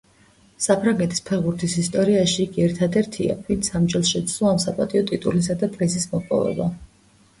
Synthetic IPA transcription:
sapʰɾaŋɡɛt̪ʼispʰɛɾʁbuɾt̪ʰisist̪ʼɔɾiaʃiːɡiɛɾt̪ʰad̪ɛɾt̪ʰia̰int̪sʰamd͡ʒɛlˠsʃɛt̪slˠɔamsapʼat̪ʼiɔt̪ʼit̪ʼulis̬ad̪ad̪ʼɾɛsismɔpʼɔ̰vɛ̰ba

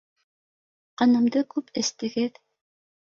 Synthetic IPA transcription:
qɑnɤ̆md̪ɤkʉpɘ̆st̪ɘ̆ɡɘð

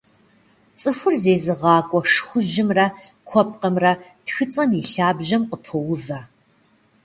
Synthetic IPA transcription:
t͡sʼɨfʷʊrzeːzɨʁɑːkʷʼɔʂxʷʊʒɪmrɐ | kʷʰɔp̚qɐmrɐtxɨt͡sʼɐmiɬaːbʒɐmqəpʰowʊvɐ

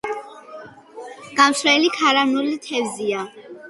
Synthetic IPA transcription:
ɡ̥amsɾɛlikʰaɾanulit̪ʰɛvzia

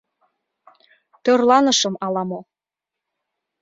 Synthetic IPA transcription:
t̪ørlɑnəʃɤ̆mɑlɑmo

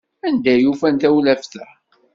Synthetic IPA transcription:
ænd̪æjufænt̪æwlæfθəħ

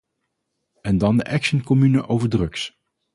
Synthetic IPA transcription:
ɛndɑndəʔɛkʃənkɔmynəʔowvəɹdrɵks

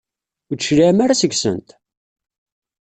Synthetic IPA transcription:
d̪ʃɾiʕmaɾasəɡsə̰nt̪

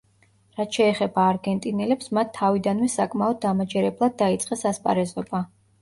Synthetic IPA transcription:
ɾat̪ʃɛːχɛbaːɾɡɛnt̪ʼinɛlɛpsmat̪ʰːavid̪anvɛsakʼmaɔd̪̚ːamad͡ʒɛɾɛblˠad̪̚ːait̪sʼqʼɛsaspʼa̰ɾɛzɔba

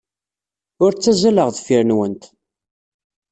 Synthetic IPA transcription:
ʊɾt͡sːæzæləʁðfiɾnwənt̪

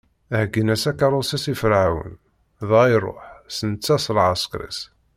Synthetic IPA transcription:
æhɡənæsækɑɾˤosæsifəɾʕawə̰n | ðɑjrˤo̰ħsənt͡sːæsˤlʕaskɾḭs

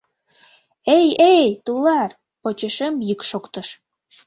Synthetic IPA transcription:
ejejt̪ulɑr | pot͡ɕəʃemjɯkʃokt̪ə̆ʃ

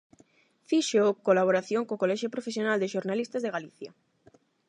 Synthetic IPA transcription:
fiʃeokolaβ̞oɾaθjõŋkokolɛʃjopɾofesjonald̪eʃoɾnalist̪azðeɣaliθja

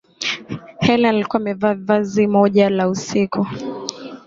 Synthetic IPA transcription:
hɛlaːlikuamɛvavazimɔʄalausikʰu

